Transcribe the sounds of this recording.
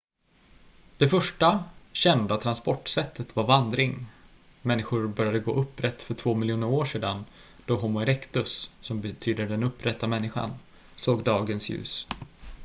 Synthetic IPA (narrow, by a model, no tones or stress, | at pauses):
d̪̥ɛfœʂʈaɕɛnd̪at̪ʰɾanspɔʈːsɛt̪ʰːət̪vaɾvand̪ɾɪŋ | mɛnːɪɧʊɾbœɾjad̪əɡo̰ːʔɵpːɾɛt̪ːfœʈʰv̥oːmɪljuːnəɾoːʂeːd̪an | d̪̥ɔɦʊmʊɛɾɛkt̪ɵsːɔmbɛt̪ʰyːd̪əɖɛnɵpːɾɛt̪ʰːamɛnːɪɧa̰n | soːɡd̪ɑːɡənsjʉ̟̰ːs